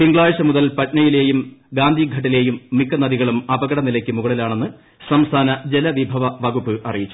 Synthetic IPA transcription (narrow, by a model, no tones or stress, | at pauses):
piŋɡɭaːjɐɕɐmuðɐlpɐʈnɐjile̞ːjumɡaːnd̪ʱiɡʱɐʈ̬ːile̞ːjumːikːɐnɐðiɣɐɭumɐbɐɣɐɽɐnilɐkʲːɨmuɣɐɭilaːɳe̞nːɨ | sɐmst̪ʰaːnɐd͡ʑelɐʋibʱɐʋɐʋɐɣupːɨʔɐrijit͡ɕːu